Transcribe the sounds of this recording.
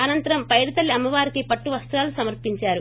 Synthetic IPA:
ɐnɐnt̪ɐɾɐmpɐjɽɐt̪ɐlːiɐmːɐʋaːɾikipɐʈːuʋɐst̪ɾaːlusɐmɐɾpiɲt͡ʃaːɾu

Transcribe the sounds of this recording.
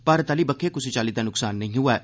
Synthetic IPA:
paːɾət̪aːlibəkʰekʊsit͡ʃaːlit̪anʊksaːnːɐɦĩɦʊaː

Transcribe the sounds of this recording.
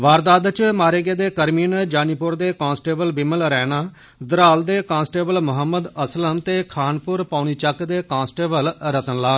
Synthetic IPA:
ʋaːɾd̪aːd̪t͡ʃmaːɾeːɡeːd̪eːkəɾmiːnd͡ʒaːniːpʊɾd̪eːkãːnsʈeːbəlbɪmːəlɾɛːnaː | d̪ɾaːld̪eːkãːnsʈeːbəlmʊɦəmːəd̪əsləmt̪eːkʰaːnpʊɾpaːniːt͡ʃəkd̪eːkãːnsʈeːbəlɾət̪ənlaː

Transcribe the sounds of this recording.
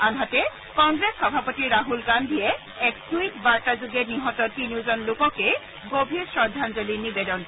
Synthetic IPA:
anɦatɛ | kɔŋɡɹesxɔbʱapɔtiɹaɦulɡandʱiɛ | ɛk̚tuikbaɹtazuɡɛniɦɔtɔtiniʊzɔnlʊkɔke | ɡobʱiɹsɹɔd̪ʱanzolinibedɔn

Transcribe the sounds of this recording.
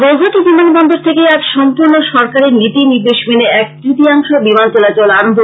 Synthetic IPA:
ɡoɡʱot̪ibimanibɔnd̪oɾt̪ʰekejɛkʃɔmpuɾnoʃɔɾkaɾeɾnit̪iniɾd̪eʃmeneɛk̚t̪ɾut̪iaŋʃobimant͡ɕɔlat͡ɕolaɾond̪ʱo

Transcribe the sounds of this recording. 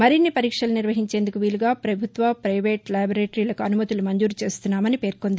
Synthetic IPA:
mɐɾinːipɐɾiːkʂɐlɐniɾʋɐɦiɲt͡ʃe̞ːnd̪ukuʋiːluɡaːpɾɐbʱut̪ʋɐpɾɐjʋe̞ːʈlɐːjbɾeːʈɐɾiːlɐkuɐnumɐt̪ilumɐɲd͡ʒuːɾut͡ʃe̞ːst̪unːaːmɐnipe̞ːɾko̞nd̪i

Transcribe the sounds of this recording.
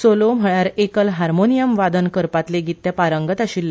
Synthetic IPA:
solom̤əɭaɾekəlɦaɾmonijəmʋad̪ənkəɾpat̪leɡʱit̪ːjapaɾəŋɡət̪aɕiːlː

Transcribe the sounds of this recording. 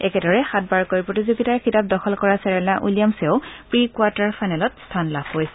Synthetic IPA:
ɛkɛdɔɹɛxat̚baɹkojpɹotizoɡitaɹxʰitap̚dɔxʰɔlkɔɹasɛɹɛlaʔulijamsɛʊpɹikwaɹtaɹpʰajnɛlɔtstʰanlab̥ʱkojsɛ

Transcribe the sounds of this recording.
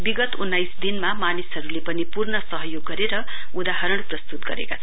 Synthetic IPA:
biɡʌt̪unːajsd̪inmamanisɦʌɾulepʌnipurnʌsʌɦʌjoɡːʌɾeɾʌ | ud̪aɦʌɾʌɽprʌst̪ut̪ɡʌ̰ɾḛkat͡sʰʌ

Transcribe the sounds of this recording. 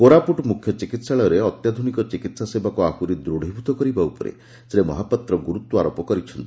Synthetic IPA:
koɾapuʈmukʰjɔt͡ʃikit̪saɭɔɾeɔt̪jad̪ʱunikɔt͡ʃikit̪sasebakuakuɾid̪ɾuɽ̤ʱibʱut̪ɔkɔɾibaupɔɾḛ | sɾemɔɦapat̪ɾɔɡuɾut̪ːuaɾopɔkɔɾit͡ʃʰɔnt̪i̥

